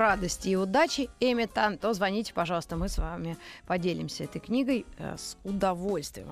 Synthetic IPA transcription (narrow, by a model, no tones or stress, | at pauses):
rad̪əsʲtʲɪːʊd̪at͡ɕɪemʲɪt̪ant̪ozvɐnʲitʲɪ̥pɐʐɑlˠst̪əmɨsvamʲɪpɐdʲelʲɪmsʲəɛt̪əjknʲiɡəj̰sʊd̪ɐvo̞lʲst̪vʲɪ̰jɪ̰m